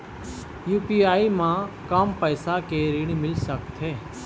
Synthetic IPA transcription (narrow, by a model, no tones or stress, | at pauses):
juːpiːaːimãkaːmpəjsakeɾɪɽ̃mɪlsəkt̪ɦeː